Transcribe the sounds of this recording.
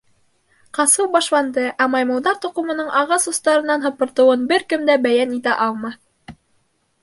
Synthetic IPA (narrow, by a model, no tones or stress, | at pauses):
qɑsɤwbɑʃlˠɑnd̪ɤʔæmɑjmɤ̆lˠd̪ɑɾt̪ŏqɤ̆mɤ̆nɤɴʔɑʁɑsŏst̪ɑɾɤ̆nːɑnɦɤ̆pɤ̆ɾt̪ɤ̆wɤnbɘɾkɘ̆md̪æbæjænit̪æʔɑlˠmɑ